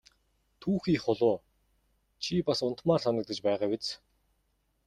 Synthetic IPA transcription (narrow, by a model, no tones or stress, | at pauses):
t̪ʰuːxiːχʊɮʊː | t͡ɕʰipasʊnt̪maːrsanə̆kt̪ə̆t͡ɕpæːʁaːwet͡s